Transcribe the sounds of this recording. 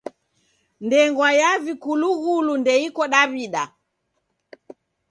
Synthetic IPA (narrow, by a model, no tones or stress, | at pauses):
ndɛŋɡwajavikuluɣulundɛikɔɗaβiɗa